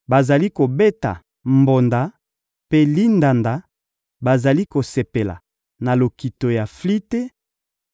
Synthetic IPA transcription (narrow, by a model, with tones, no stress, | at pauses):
ba˨za˨li˦ko˨be˦ta̰˨ | mbo˨nda˨˦ | pe˦li˦nda˨nda˨˦ | ba˨za˨li˦ko˨se˨pe˨la̰˨ | na˨lo˨ki˨to˨ja˨fli˦te˦